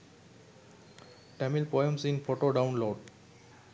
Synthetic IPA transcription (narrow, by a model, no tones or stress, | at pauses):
ʈɛmilpɔjə̃msɪ̃nfoʈoɖãʊ̃nloːɖ